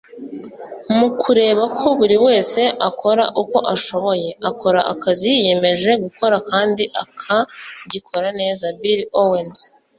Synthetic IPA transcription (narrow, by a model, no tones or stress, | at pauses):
mukʰuɾe̞ːβakʰo̞βuɾiwe̞ːse̞ʔakʰo̞ɾa̰ʔuko̞ʔaʃo̞βo̞je̞ako̞ɾaʔa̰kazije̞me̞ʒe̞ɡuko̞ɾakaːndiʔakʰaɟikʰo̞ɾane̞ːzabiɾiowenz